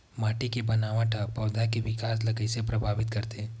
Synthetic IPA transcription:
maːʈikebɐnaːʋãʈʰapɔːd̪akeʋɪkaːs̬lɐɡəisepɾɐbʱaːʋɪt̪kɐɾt̪e

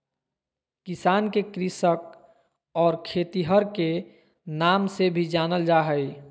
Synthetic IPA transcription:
kɪsaːnkekɾɪsək̚ | ɔːɾkʰeːt̪iɦəɾke | naːmsebʱid͡ʒaːnəld͡ʒaːɦəj

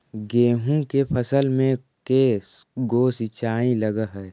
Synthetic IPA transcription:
ɡeːɦũkepʰəsəlmẽ | keɡoːsit͡ʃʰaːĩləɡəɦɛː

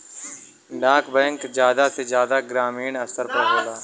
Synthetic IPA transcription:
ɖãːkbɛ̃ŋkd͡ʒjaːd̪ased͡ʒjaːd̪aɡɾaːmiːnɐsəɾpɐɾboːlaː

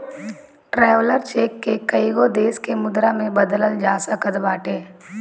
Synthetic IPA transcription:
ʈɾɛːʋləɾt͡ʃeːkːekəiɡod̪eːskemʊd̪ɾamẽbɐd̪ələld͡ʒaːsakəd̪baːʈeː

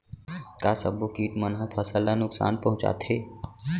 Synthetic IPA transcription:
kaːsəbokiːʈmənɦəpʰəsəlːanʊksa̰ːnpɐɦʊ̃t͡ʃa̰ːt̪ʰɦeː

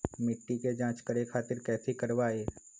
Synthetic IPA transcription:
mɪʈːiked͡ʒãːt͡ʃkəɾekʰaːt̪ɪɾkɛːsekəɾʋaːeː

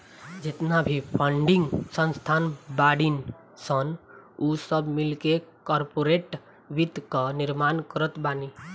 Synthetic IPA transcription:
d͡ʒet̪nabʱipʰəɳɖiŋɡsə̃nst̪ʰanbaɽin | sənusəbmilkekɔɾpoɾeʈ | ʋit̪kəniɾmankəɾət̪bani

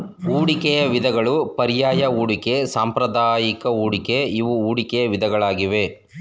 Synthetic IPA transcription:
uːɽikɛjɐʋid̪ɐɡɐɭupɐɾijaːjɐuːɽike̞saːmpɾɐd̪aːjikɐuːɽikeiʋuuːɽikɛjɐʋid̪ɐɡɐɭaːɡiʋe̞

